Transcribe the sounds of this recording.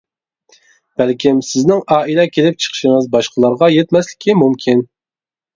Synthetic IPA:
b̥ælkʲɪmsɪznɪŋɑːilɛkʲʰelɪp̚t͡ʃʰə̥χʃɪŋɨzbɑʃqʰəlˠɑɾʁɑjɛt̪mɛslɪ̥kʲimumkʲʰin

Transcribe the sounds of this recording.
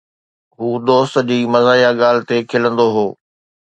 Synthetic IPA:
ɦuːd̪oːst̪̆d͡ʑiːmɐzaːijaɠaːl̤ɪt̪ekʰɪlə̃nd̪oɦoː

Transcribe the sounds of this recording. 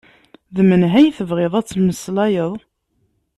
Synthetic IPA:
ðəmənɦæjθəvʁeðˤæt͡sːməslæjəðˤ

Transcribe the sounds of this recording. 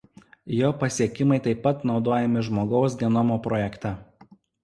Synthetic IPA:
joːpɐsʲiɛkʲɪmɐɪt̪ɐɪpːɐt̪nɒʊd̪oːjɛmʲɪʒmoːɡɒʊs̬ɡ̪ʲɛnɔmoːpɾɔjɛkt̪ɛ

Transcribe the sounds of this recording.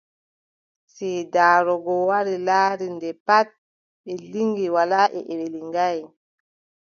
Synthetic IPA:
sɛdaːɾɔɡɔwaɾilaːɾindɛpat̚ | ɓɛliŋɡiwalaʔɛ̰ʔɛɓeliŋɡaj

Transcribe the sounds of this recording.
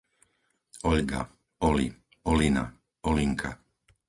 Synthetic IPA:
ɔʎɡa̰ | ɔlḭ | ɔlina̰ | ɔliŋkʰa

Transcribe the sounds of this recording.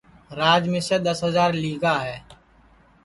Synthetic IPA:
ɾaːd͡ʒmẽsed̪əsɦəzaːɾliːɡaɦɛː

